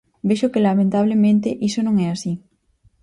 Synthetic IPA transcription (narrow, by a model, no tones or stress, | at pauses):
beʃokelamẽnt̪aβ̞lemẽnt̪eʔisonõŋɛasi